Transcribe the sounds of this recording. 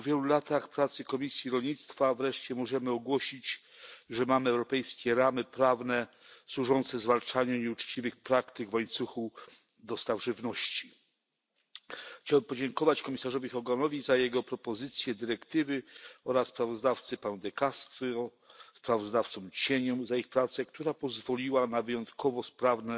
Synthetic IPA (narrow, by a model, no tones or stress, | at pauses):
ɔvʲjɛlulat̪axpɾat̪sɘkɔmʲisʲjiɾɔlɲit̪st̪favɾɛʂt͡ɕɛmɔʐɛmɘɔɡwɔɕit͡ɕ | ʐɛmamɘɛwɾɔpɛjskʲɛɾamɘpɾavnɛ | swuʐɔnt̪sɛzvalt͡ʂaɲuɲɛut͡ʂt͡ɕivɘxpɾakt̪ɘɡvwajt̪suxu | d̪ɔst̪avʐɘvnɔɕt͡ɕi | xt͡ɕawɛmpɔd͡ʑɛŋkɔvat͡ɕkɔmʲisaʐɔvʲixɔɡɔnɔvʲizajɛɡɔpɾɔpɔzɘt̪sʲjɛd̪ɘɾɛkt̪ɘvɘɔɾasːpɾavɔzd̪aft̪sɘpanud̪ɛkast̪ɾɔ | spɾavɔzd̪aft̪sɔ̃mt͡ɕeɲɔmzaixpɾat̪sɛkt̪uɾapɔzvɔlʲiwanavɘjɔnt̪kʰɔvɔspɾavnɛ